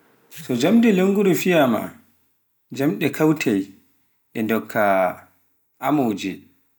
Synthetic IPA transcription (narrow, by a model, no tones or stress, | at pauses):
sɔd͡ʒamdɛleŋɡuɾifijama̰ | d͡ʒamɗɛkʰawtʰaj | ɛndɔkʰːa | ʔamowd͡ʒɛ